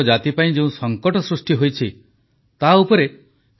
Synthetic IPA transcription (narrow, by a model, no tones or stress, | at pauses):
ɔd͡ʒat̪ipaĩd͡ʒeũsɔŋkɔʈɔsɾusʈiɦojt͡ʃʰi | t̪aupɔɾe